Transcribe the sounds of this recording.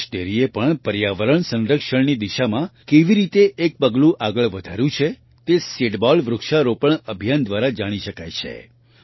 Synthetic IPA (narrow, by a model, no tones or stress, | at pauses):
ʈeɾiepəɳpəɾjaʋəɾəɳsə̃nɾəkʃəɳnid̪iʃamãkeʋiɾit̪eʔek̚pəɡlũʔaɡəɭʋəd̪ʱaɾjũt͡ʃʰe | t̪eseʈbɔlʋɾʊkʃaɾopəɳəbʱjand̪ʋaɾad͡ʒaɽ̃iʃəkajt͡ʃʰḛ